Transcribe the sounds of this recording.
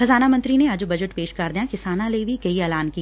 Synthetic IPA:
xɐzaːnamɐ̃nt̪ɾinead͡ʒubɐd͡ʒəʈ̚peːʃkaɾd̪ijãkɪsaːnãleibʱikɐiɛːlaːnki

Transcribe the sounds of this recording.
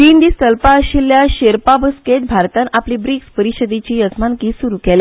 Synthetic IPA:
t̪iːnd̪iːst̪əlpaəɕilːjaɕeɾpabəsket̪̚bʱaɾt̪ãnapliːbɾikspəɾiɕəd̪et͡ɕiːəd͡zmankiːsuɾukɛle

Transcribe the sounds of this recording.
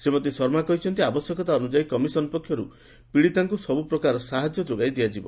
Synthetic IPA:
semɔt̪̬isɔɾmakɔɦit͡ʃʰɔnt̪iabɔsjɔkɔt̪aɔnud͡ʒaikɔmisɔnɔpɔkʰjɔɾu | piɽit̪aŋkusɔbupɾɔkaɾɔsaɦad͡ʒjɔd͡ʒoɡajd̪iad͡ʒibɔ

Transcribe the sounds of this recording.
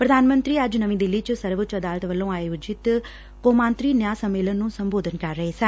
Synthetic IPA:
pɾəd̪ʱaːnmə̃nt̪ɾiːəd͡ʒnəʋĩːd̪ɪlːiːt͡ʃsəɾʋət͡ʃəd̪aːlət̪ʋəlːõːaːjoːd͡ʒɪt̪ | koːmãːnt̪ɾiːnjaːsəmːeːlənːũːsəmboːd̪ʱənkəɾːəɦeːsɛ̃ː

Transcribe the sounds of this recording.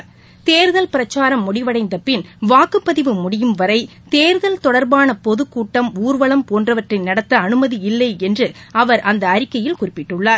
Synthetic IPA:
t̪eːɾɯðɐlpɪɾɐt͡ʃːaːɾɐmːʊɽɪʋɐɽɐɪnd̪ɐpɪnʋaːkɯpːɐðɪʋɯmʊɽɪjɯmʋɐɾɐɪ | t̪eːɾɯðɐlt̪ɔɽɐɾbaːnɐpɔðɯkːuːʈːɐmuːɾʋɐɭɐmpoːndrɐʋɐʈrɪnɐɽɐt̪ːɐɐnɯmɐðiɪlːɐɪɛndrɯɐʋɐɾʔɐnd̪ɐɐɾɪkːɐjɪlkʊrɪpːɪʈːɯɭːaːɾ

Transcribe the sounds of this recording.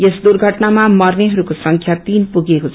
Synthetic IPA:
jesd̪urɡʱʌʈnamamʌrneɦʌɾukosʌŋkʰjat̪inpuɡekot͡sʰ

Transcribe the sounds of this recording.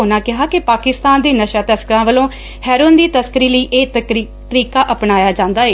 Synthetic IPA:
naːkɪɦaːkɪpaːkɪst̪aːnd̪eːnəʃaːt̪əskəɾãːʋəlõː | hɛːɾoːnd̪iːt̪əskəɾiːləiːʔeː | t̪əɾiːkaːʔəpnaːjaːd͡ʒãːnd̪aːeː

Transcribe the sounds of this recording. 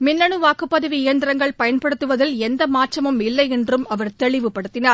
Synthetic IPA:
mɪnːɐɳɯʋaːkːɯpːɐðɐʋiɪjɐnd̪ɪɾɐŋɡɐɭpɐjɐnpɐɽɯt̪ːɯʋɐðɪlɛnd̪ɐmaːt͡ʃːɐmɯmɪlːɐɪɛndrɯmɐʋɐɾt̪ɛɭɪʋɯpːɐɽɯt̪ːɪnaːɾ

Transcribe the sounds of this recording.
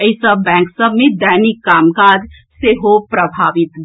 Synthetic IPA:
əisəbːɛ̃ːŋksəbʱmẽd̪aːnikːaːmkaːd͡ʒ | seɦopɾəbʱaːʋɪt̪

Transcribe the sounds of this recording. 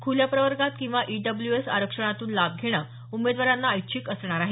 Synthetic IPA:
kʰuljapɾəʋəɾɡat̪kĩw̃ʋaʔiɖəbljuesaɾəkʂəɽ̃at̪uːnlab̚ɡʱeɽ̃əː | umed̪ʋaɾanːaːjt͡ɕʰikəsɳ̃aɾaɦe

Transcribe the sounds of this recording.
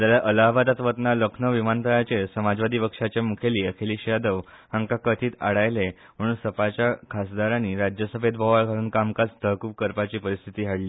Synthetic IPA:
d͡z̪aljaʔəlaɦbat̪at̪ʋət̪naləkʰnəʋimant̪əɭat͡ɕesəmad͡zʋad̪iːʋəkʂat͡ɕjamukʰeliːəkʰeliːɕjad̪əʋ | hãŋkakət̪ʰiːt̪aɽajle | m̤əɽuːnsəpat͡ɕjakʰasd̪aɾaniːɾad͡ʑjəsəbed̪̚bʱəʋaɭkaɽuːnkamkat͡sd̪ʰʱəkuːp̚kəɾpat͡ɕiːpəɾist̪ʰit̪iːɦaɽliː

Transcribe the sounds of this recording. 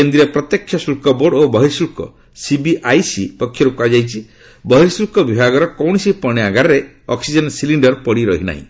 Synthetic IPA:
kend̪ɾiɾepɾɔt̪jekʰːjɔsulkɔboɖobɔɦiɾsulkɔ̰ | sibiʔajsipɔkʰːjɔɾukuad͡ʒajt͡ʃʰi | bɔɦiɾsulkɔbibʱaɡɔɾɔkɔwɳ̃isipɔɽ̃iaɡaɾɔɾe | ɔksid͡ʒɔnsiliɳɖɔɾpɔɽiɾɔɦina̰ɦḭ̃

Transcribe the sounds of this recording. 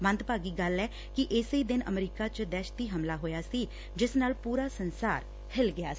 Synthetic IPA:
mə̃nt̪paːɡiːɡəlːɛː | kɪʔɪsiːd̪ɪnə̰mɾiːkaːt͡ʃd̪ɛːʃt̪iːɦəmlaːɦoːjaːsiː | d͡ʒɪsnaːlpuːɾaːsənsaːɾ | hɪlɡɪa̰ː

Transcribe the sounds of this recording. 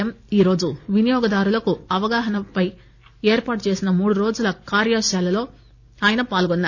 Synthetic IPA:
ɐmiːɾo̞ːd͡ʒuʋinijɔːɡɐd̪aːɾulɐkuɐʋɐɡaːɦɐnɐpɐj | eːɾpaːʈut͡ʃe̞ːsinɐmuːɽuɾo̞ːd͡ʒulɐkaːɾjaːʂaːlɐlo̞ː | aːjɐnɐpaːlɡɔnːa

